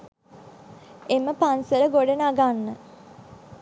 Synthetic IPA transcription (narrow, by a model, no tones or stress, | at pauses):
eməpansəɾəɡoɖenaɡanːə